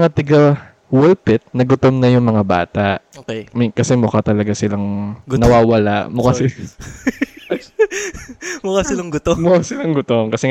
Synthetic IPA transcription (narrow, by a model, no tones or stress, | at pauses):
ŋat̪ɪɡa | wɛlpɪt̪̚nɐɡʊt̪omnɐjʊŋmɐŋaba̰ːt̪ɐʔokɛmɐkɐsɛmʊkat̪ɐlɐɡasɪlaŋɡnɐwaːwɐlaʔmʊkasɪ | mʊkasɪlɐŋɡʊt̪omʊkasɪlaŋɡʊt̪omkɐsɛ